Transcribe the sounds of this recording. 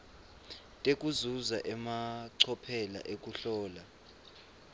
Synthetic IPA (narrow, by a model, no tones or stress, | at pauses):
tʼekʼuzuzaʔɛmaǀʰɔpʰɛla̰ʔek̬ʼuɬɔːla